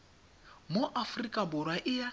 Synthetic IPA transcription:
mʊʔafrikʼabʊɾwaʔɪja

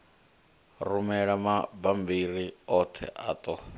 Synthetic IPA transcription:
rumɛɺamabambiɾiɔt̪ʰɛ̰ʔa̰ːt̪ʼɔ

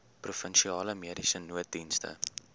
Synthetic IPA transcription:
prufənʃiɑːləmiəɾisənuət̚dinstə̰

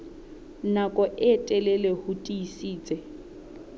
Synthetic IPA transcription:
nakʼɔʔɪtʼɛlɛlɛhutʼiisiːt͡sʼɛ

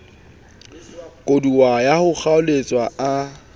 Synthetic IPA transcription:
kʼoduwajahʊk͡xaʊlet͡sʼwaa

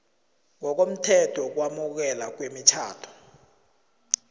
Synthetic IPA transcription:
ŋɔk̬om̩tʰɛtʰɔk̬wamuk̬ɛlak̬wemitʰa̰ːtʰɔ̥

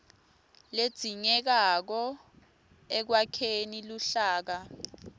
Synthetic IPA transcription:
led̥z̥ʱiŋɛk̬ak̬ɔ | ɛk̬wakʰeniluɬaːk̬a

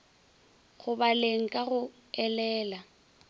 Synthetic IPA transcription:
ɣʊbaleŋ̩kʼaɣʊ | ɛlɛːla

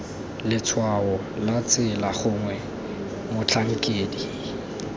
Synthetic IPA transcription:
lɪt͡sʰwaɔ | lat͡sʼɪlaχʊŋwɛ | mʊt͡ɬʰaŋ̩kʼeːdi

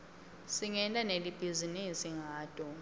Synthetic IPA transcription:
siŋɛntʼanelib̥ʱizinisiŋʱaːd̥ʼɔ

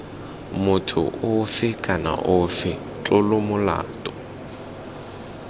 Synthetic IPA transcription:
mʊtʰʊ̰ʔʊfɪkʼana̰ʔʊfɪ | t͡ɬʼʊlʊmʊla̰ːtʼɔ

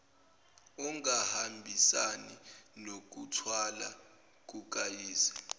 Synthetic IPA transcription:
ɔŋahambʱisaninok̬utʰwala | k̬uk̬ajiːsḁ

